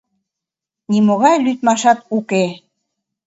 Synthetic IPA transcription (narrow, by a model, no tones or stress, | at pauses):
nimoɣɑjlyt̪mɑʃɑt̪uke